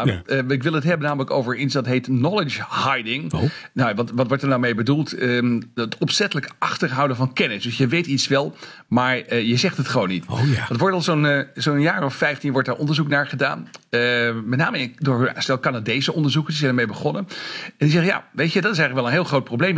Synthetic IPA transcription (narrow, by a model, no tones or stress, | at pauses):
ɪk̬ʋɪlˠətɦɛbənaːmələko̰wvəɹitsdɑtɦejtnɔlət͡ʃhɑjdɪŋnajaʋɑtʋɑtʋɔɹtəɹnawmejbədulˠtəətɔpsɛtələkɑχtəɹɦʌwdənvɑnkɛnɪsd̥ɵsjəʋejtitsʋɛlˠ | maːɹjəzɛχtɦətχəʋownːitʋɑtʋɔɹtɑlˠzonzownjaːrɔffɛjftinʋɔɹt̚daːɹʔɔndəɹzuknaːɹχəda̰ːn | mɛtnaːməɪdʊːɹstɛlˠkanadejzəʔɔndəɹzukəɪsɛjndəɹmejbəχɔnəɛnɪkzɛχja̰ːʋejtədɑtɪs̬ɛɣχləkʋɛlˠənɦɪːlˠχrowt̚prowblejm